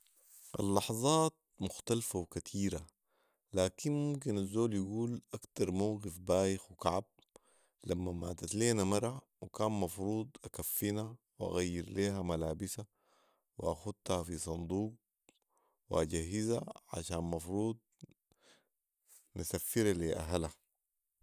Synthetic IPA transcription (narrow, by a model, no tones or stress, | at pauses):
ʔa̰lːɑħzˤɑːt̪̚mʊxt̪alfawkat̪ʰiːɾa | laːkinmumk̬inazːoːljaɡuːlʔakt̪ɑɾˤmawɡifbaːjɪxwikaʕab̚ | lamːama̰ːt̪at̪leːnamɑɾˤɑ | wikaːnmɑfɾuːd̪ˤʔakafːina | wʔa̰ɣajːiɾleːhamalaːbisa | wḭʔaxud̪̚hafisˤɑnd̪ˤuːq̚ | wḭʔaɟaɦːizaʕa̰ʃaːnmɑfɾuːd̪̚ | nasafːiɾaliʔa̰ɦala